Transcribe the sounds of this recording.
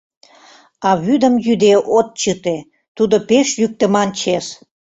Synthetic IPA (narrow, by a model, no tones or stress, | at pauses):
ɑβyd̪ə̆mjyd̪eʔot̪̚t͡ɕət̪e | t̪ud̪opeʃjyk̚t̪ə̆mɑnt͡ɕes